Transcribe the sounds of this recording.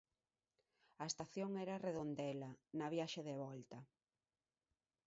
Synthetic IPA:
ɐest̪aθjoŋɛɾɐreðond̪ɛlɐnɐβjaʃeðeβɔlt̪ɐ

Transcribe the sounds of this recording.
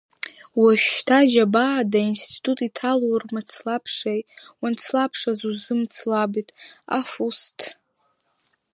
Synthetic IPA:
waʃᶣtʰaʒabadainstʰi̥tʰʼutʼitʰalwrmat͡sʰlapʰʂejwant͡sʰlapʰʂazuzɨmt͡sʰlabitʼa̰fustʰ

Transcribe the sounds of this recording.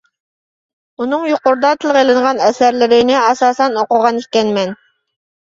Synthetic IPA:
unɨŋjoqʊɾd̪ɑt̪ʰɨlˠʁelˠɨɴʁɑnɛsæɾlɪɾɪnɪɑsɑːsɛnoqʊʁɑnikʲɛnmɛn

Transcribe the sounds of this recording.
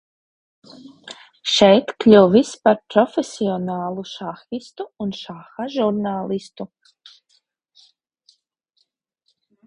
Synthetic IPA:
ʃɛjt̪klʲuwvispaɾpɾɔfʲesʲiɔnaːlˠuʃaxist̪uunʃaxaʒuɾnaːlˠist̪u

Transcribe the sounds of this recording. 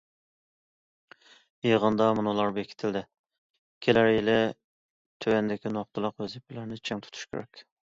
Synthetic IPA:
jeʁənd̪ɑmunɨlˠɑɾmjekʲʰi̥t̪ʰɪld̪ɪ | kʲʰelæɾjɪlɪ | t̪ʰøwɛnd̪ɪkʲinoχ̚t̪ɨlˠəqwøzɪp̚ʰɪlæɾnɪt͡ʃʰɛŋt̪ʰu̥t̪ʰu̥ʃkʲʰḛɾɛ̰kʲ

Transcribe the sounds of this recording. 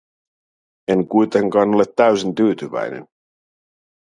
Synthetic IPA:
e̞ŋkujt̪e̞ŋkɑːno̞le̞t̪ːæɥsint̪yːt̪yʋæ̰jnḛn

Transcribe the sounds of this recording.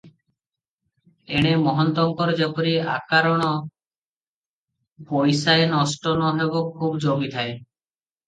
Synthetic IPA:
eɽ̃emɔɦɔnt̪ɔŋkɔɾɔd͡ʒapɔɾia̰kaɾɔɽ̃ɔ | bojsaenɔsʈɔnɔɦebokʰubd͡ʒomit̪ʰae

